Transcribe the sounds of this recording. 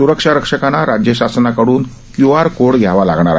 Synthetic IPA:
suɾəkʂaɾəkʂəkanaɾad͡ʑjəɕasnakəɽuːn | kjuaɾkoɽɡʱjaʋala̰ɡɳ̃aɾa̰

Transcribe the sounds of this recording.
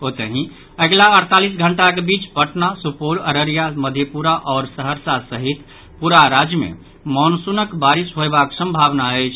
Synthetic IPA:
ot̪əɦĩ | əɡlaəɾt̪alisɡʱəɳʈakebit͡ʃpəʈnasupoləɾəɾijaməd̪ʱjepuɾaʔɔːɾsəɦəɾsasəɦit̪ | puɾaɾad͡ʒjəmḛ | mɔnsunəkbaɾisɦoebaksə̃mbʱaβnaɛt͡ʃʰ

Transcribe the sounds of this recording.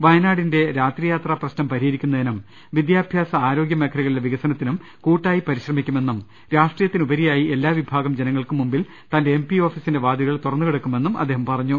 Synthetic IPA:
ʋɐjɐnaːɽinde̞ɾaːt̪rijaːt̪rɐprɐɕnɐmpɐɾijɐɾikʲːunːɐinɐm | ʋid̪jaːbʱjaːsɐaːɾo̞ːɡjɐmekʰːɐɾɐɣɐɭileʋiɣɐsɐnɐt̪ːinum | kuːʈːaːjipɐɾiɕrɐmikʲːumenːum | ɾaːʂʈrijɐt̪ːinubɐɾijaːjie̞lːaːʋibʱaːɡɐmd͡ʑe̞nɐŋːɐɭkumːumbil | t̪ɐːndeempio̞ːfisinde̞ʋaːd̪iɣɐɭt̪urɐnːukeɽukːume̞nːumʔɐ̰d̪ːeːɦɐmpɐrɐɲːu

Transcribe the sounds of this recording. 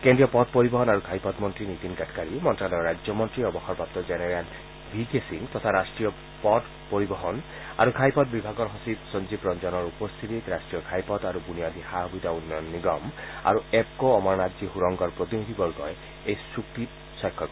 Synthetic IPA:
kendɹijɔpɔd̚poɹibɔɦɔnaɹukʰajpɔtmɔntɹinit̪inɡatʰkaɹimɔntɹalɔɹajd͡ʒjɔmɔntɹiɔbɔxɔɹpap̚t̪ɔzɛnɛɹal | bʱiɡesiŋt̪ɔt̪ʰaɾasʈɹijɔ | pɔd | poɾibɔɦɔn | a̰ɹukʰajpɔt̚bibʱaɡɔɹɦɔsipsɔnzipɹɔnd͡ʒɔnɔɹupɔst̪ʰit̪it̪ɾastɹijɔkʰajpɔt̪aɾubunijad̪ixaɦɔbit̪aunjɔnːiɡɔma̰ɹuep̚kɔɔmɔɹnadzihuɹɔŋɡɔɹpɹot̪inid̪ʱibɔɹɡɔj | ejsukt̪i | sɔjkʰːɔkɔ

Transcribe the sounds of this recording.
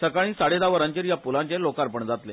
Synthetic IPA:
səkaɭ̃ĩːsaɽed̪aʋəɾãɲt͡ɕiɾjapulãɲt͡ɕelokaɾpəɳd͡zat̪le

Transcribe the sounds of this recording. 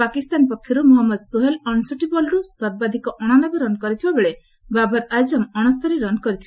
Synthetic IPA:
pakist̪anpɔkʰːjɔɾumɔɦɔmːɔd̪suɦelɔnsuʈibɔlɾusɔɾbad̪ʱikɔʔɔɽ̃anɔbɔɾɔnkɔɾit̪ʰibabeɭe | babɔɾajd͡ʒɔmɔɽ̃ɔst̪ɔɾeɾɔnkɔɾit̪ʰib

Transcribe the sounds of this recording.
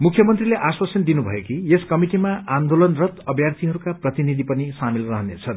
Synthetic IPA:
mukʰjʌmʌnt̪rileʔaswasʌnd̪inubʱʌ̰jekieskʌmiʈimaʔand̪olʌnrʌt̪ʌbʱjart̪ʰiɦʌɾukaprʌt̪inid̪ʱipʌnisamilrʌɦʌnḛt͡sʰʌn

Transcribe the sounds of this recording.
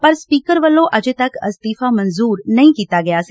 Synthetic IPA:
pɐɾspiːkəɾʋɐlːõʔɐd͡ʒet̪ɐkɐ̰st̪iːfamɐ̃nzuːɾnɐɦĩkiːt̪aɡɐjaːs

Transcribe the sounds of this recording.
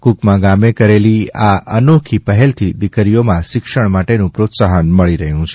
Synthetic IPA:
kukmãɡamekəɾeliaənokʰipəɦɛlt̪ʰid̪ɪkəɾijomãʃɪkʃəɳmaʈenũpɾot̪saɦənməɭiɾəɦjũt͡ʃʰ

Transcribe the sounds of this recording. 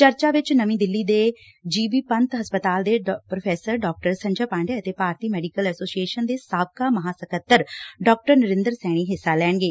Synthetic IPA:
t͡ʃəɾt͡ʃaːʋɪt͡ʃnəmĩːd̪ɪlːiːd̪eː | d͡ʒiːbiːpənt̪ɦəspət̪aːld̪eːpɾopʰɛːsəɾɖɔːk̚ʈəɾsə̃ɲd͡ʒaːpãːɳɖeːət̪eːpaːɾt̪iːmɛːɖikəlɛːsoːsieːʃənd̪eːsaːb̚kaːməɦãːsəkət̪ːəɾɖɔːk̚ʈəɾnəɾɪ̃nd̪əɾsɛ̃ːɽ̃iːɦɪsːaːlɛːɳ̃ɡeː

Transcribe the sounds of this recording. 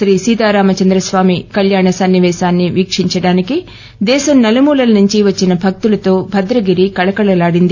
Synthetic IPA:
ɾiːsiːd̪aːɾaːmɐt͡ʃɐnd̪ɾɐsʋaːmikɐljaːɳɐsɐnːiʋɛːʃaːnːiʋiːkʂiɲt͡ʃɐɽaːniki | d̪ɛːsɐmnɐlɐmuːlɐlɐnuɲt͡ʃiʋɐt͡ʃːinɐbʱɐk̚t̪ulɐt̪o̞ːbʱɐd̪ɾɐɡiɾikɐɭɐkɐɭɐlaːɽind̪i

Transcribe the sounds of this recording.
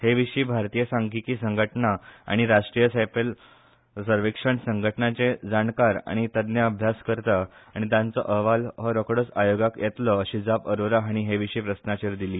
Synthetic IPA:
heʋiʂiːbʱaɾt̪ijəsãŋɡikiːsəŋɡʱəʈnaa̰ɽ̃iɾaʂʈɾijəsapəl | səɾʋikʂəɳsəŋɡʱəʈɳat͡sed͡zaɳkaɾa̰ɽ̃it̪əd̪njəəbʱjaskəɾt̪aaɽ̃it̪jãnt͡sɔ̰ʔəɦʋalɦɔɾɔkɽət͡sajoɡakjet̪lɔəɕid͡zapəɾoɾaɦaɽ̃iɦeʋiʂiːpɾəsnat͡ɕeɾd̪iliː

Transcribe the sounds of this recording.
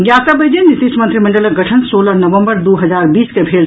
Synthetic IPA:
ɡjasəbəjd͡ʒenit̪iʃmənt̪ɾiməɳɖələk̚ɡəʈʰənsolənəʋəmbəɾd̪uɦəd͡ʒaɾbiːskebʱel

